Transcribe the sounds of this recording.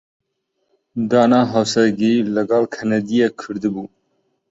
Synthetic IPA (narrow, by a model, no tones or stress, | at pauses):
d̪ɑːnɑːɦawsɛɾɡilɨɡɑːlkʰɛnɛd̪ijekʰɨɾd̪ɨbuː